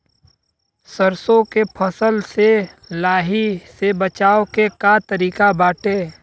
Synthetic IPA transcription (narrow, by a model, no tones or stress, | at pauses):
səɾsõkepʰəsəlse | laːɦisebət͡ʃaːokekat̪əɾiːkabaːʈeː